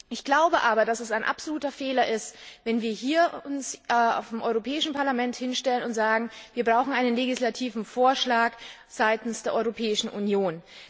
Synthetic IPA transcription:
ʔɪçɡ̥laʊbəʔaːbɐdasɛsaɪnʔa̰pz̥oluːtɐfeːlɐʔɪstvɛnviːɐɦiːɐʊnsa̰ʊfemʔɔʏʁopʰɛːɪʃn̩pʰaɐlamɛnthɪnʃtɛlənʊntz̥aːɡŋ̩viːɐbʁaʊxn̩ʔaɪnənleɡɪslatʰiːvn̩foːɐʃlaːk | z̥aɪtn̩sd̥eːɐʔɔʏʁopʰɛːɪʃn̩ʔunjoːn

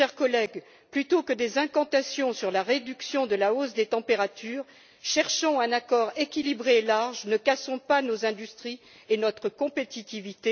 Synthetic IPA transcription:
ʃɛʁkɔlɛɡ | plyt̪okəd̪ezɛ̃kɑ̃t̪asjɔ̃syʁlaʁed̪yksjɔ̃d̪əlaosd̪et̪ɑ̃peʁat̪yːʁ | ʃɛʁʃɔ̃ɛ̃nakɔʁekʲilibʁeːlaʁʒnəkasɔ̃panozɛ̃d̪yst̪χi | enɔt̪χəkɔ̃pet̪it̪ivit̪e

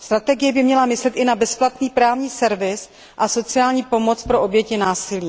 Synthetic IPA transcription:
st̪ɾat̪ɛɡɪjɛbɪmɲɛlamɪslɛt̪ʔɪnabɛsplat̪niːpɾaːvɲiːsɛɾvɪs | ʔaso̞t͡sɪjaːlɲiːpo̞mo̞t͡spɾoʔo̞bjɛcɪnaːsɪliː

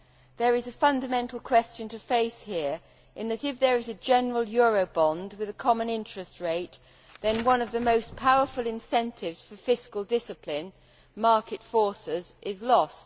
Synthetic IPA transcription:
ðə˞ɨzɨfʌ̃ndɨmɛ̃ntʰˡl̩ˠkʰw̥ɛst͡ʃɨ̃ntʰɨfeɪshiɹ | ʔɨ̃nðɨɾɨfðə˞ɨzɨd͡ʒɛnə˞əl̩ˠjɔɹoʊbɑ̃nd̚wɨðɨkʰɑmə̃nɪ̃nt͡ʃɹ̥ɨst̚ɹeɪt̪̚ | ðɨ̃nwʌ̃nʌvðɨmoʊspʰaʊə˞fəlˠɨ̃nsɛ̃ntʰɪvz̥fə˞fɪskəlˠdɪsɨpʰlɪ̃n | mɑɹkɨtfɔɹsɪzʔɪzlɔst̚

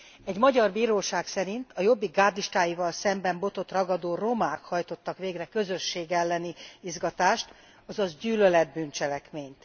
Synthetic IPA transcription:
ɛɟmɒɟɒrbiːɾoːʃaːksɛɾint̪ʰɒjo̞bːiɡaːd̪iʃt̪aːjivɒlsɛmbɛmbo̞t̪o̞t̪rɒɡɒd̪oːro̞maːkhɒjt̪o̞t̪ːɒkʋeːɡrɛkø̞zø̞ʃːeːɡɛlːɛniizɡɒt̪aːʃt̪ | ɒzɒzɟyːlølɛd̪̚bynt͡ʃɛlɛkmeːɲt̪

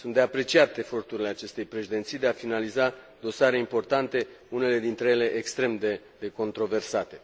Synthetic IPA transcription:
sunt̪d̪eapɾe̞t͡ʃiat̪e̞fo̞rt̪uɾile̞at͡ʃe̞st̪e̞jpɾe̞ʃid̪e̞nt̪sijd̪e̞afinaliza | d̪o̞saɾe̞impo̞rt̪ant̪e̞ | une̞le̞d̪int̪ɾeje̞le̞ʔekst̪ɾe̞md̪e | d̪eko̞nt̪ɾo̞ve̞rsat̪e̞

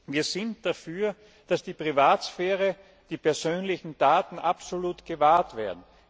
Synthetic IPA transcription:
viːɐzɪntd̥afyːɐ | d̥asd̥iːpʁ̥ivaːtsfɛːʁə | d̥iːpɛɐzøːnlɪçn̩d̥aːtn̩ʔapsoluːtɡ̥əvaːɐtv̥eːɐdn̩

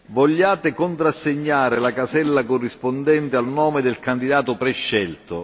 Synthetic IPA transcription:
vɔʎːaːt̪ɪkont̪ɾasːeɲːaːɾɪlakasɛlːakorːispond̪ɛnt̪ɪalnɔːmɪd̪ɪlkand̪id̪aːt̪ʊpɾɛʃːɛlt̪o̰

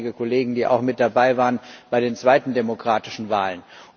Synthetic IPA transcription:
ɪɡəkʰɔleːɡŋ̩diːʔa̰ʊxmɪt̚d̥abaɪvaːʁənb̥aɪdeːnt͡sv̥aɪtn̩demokʁ̥aːtɪʃn̩vaːlən

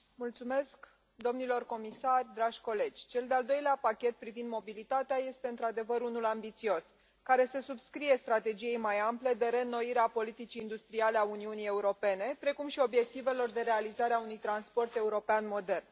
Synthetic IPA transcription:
mult̪sume̞sk | d̪o̞mnilo̞rko̞misarʲd̪ɾaʒʲko̞le̞d͡ʒʲt͡ʃe̞ld̪eald̪o̞jleapakʲe̞t̪̚pɾivind̪mo̞bilit̪at̪eaje̞st̪e̞ɨnt̪ɾad̪e̞vəɾunulambit̪sio̞s | kaɾe̞se̞subskɾije̞st̪ɾat̪e̞d͡ʒije̞jmajample̞d̪e̞ɾe̞nːo̞iɾeapo̞lit̪it͡ʃiːnd̪ust̪ɾiale̞auniunije̞uɾo̞pe̞ne̞pɾe̞kumʃio̞bje̞k̚t̪ive̞lo̞rd̪e̞ɾealizaɾeaunujt̪ɾanspo̞rt̪e̞uɾo̞peanmo̞d̪e̞rn

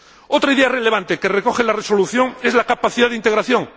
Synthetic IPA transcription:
ot̪ɾaiðeare̞le̞β̞ant̪ekerekoxelareso̞luθjo̞ŋezlakapaθiðaðint̪e̞ɣɾaθjõ̞ŋ

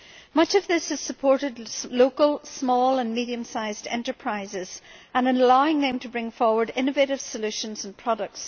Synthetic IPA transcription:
mʌt͡ʃʌvðɪshɨz̥səpʰɔɹɾɪdˡlokəlˠsmɔlˠə̃nmiɾiɨ̃msaɪzdɛ̰̃ntə˞pʰɹ̥aɪzɪz̥ə̃nə̃nlaʊɪ̃ŋðɨ̃mtʰəbɹɪ̃ŋfɔɹwə˞dɪ̃nɨveɪɾɨv̥səlʉʃə̃nzə̃npʰɹ̥ɔɾək̚ts

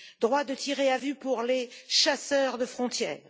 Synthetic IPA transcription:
d̪ʁwad̪ət̪ʰiʁeavypuʁleʃasœʁd̪əfχɔ̃t̪jɛ̰ːʁ

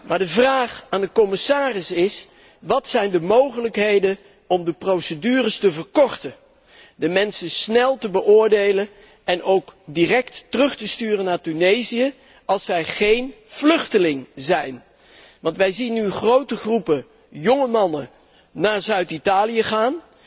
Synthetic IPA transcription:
maːɹdəvraːχaːndəkɔmɪsaːrɪsɪs | ʋɑtsɛjndəmowχələkɦejdən | ɔmdəprowsədyːrəstəvəɹkɔɹtə | dəmɛnsəsnɛlˠtəbəʔʊːɹdejlən | ɛnʔowkdirɛktːərɵχtəstyːrənːaːɹtynejzijə | ɑlˠsɛjχejnv̥lɵχtəlɪŋzɛjn | ʋɑntʋɛjzinːyχrowtəχrupə | jɔŋəmɑnə | naːɹzœɥtitaːlijəχaːn

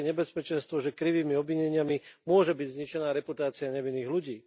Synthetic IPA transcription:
ɛɲɛbɛspɛt͡ʃɛnst̪ʋɔʒɛkɾiʋiːmiɔbʋiɲɛɲɪamimʊɔʒɛbiɟzɲit͡ʃɛnaːɾɛput̪aːt͡siaɲɛʋinːiːɣluɟiː

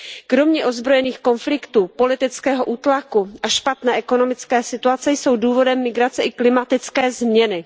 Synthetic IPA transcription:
kɾo̞mɲɛʔo̞zbɾo̞jɛniːxko̞nflɪkt̪uːpo̞lɪt̪ɪt͡skɛːɦo̞ʔuːt̪lakuʔaʃpat̪nɛːʔɛko̞no̞mɪt͡skɛːsɪt̪uat͡sɛjso̞wduːvo̞dɛmːɪɡɾat͡sɛʔɪklɪmat̪ɪt͡skɛːzmɲɛnɪ

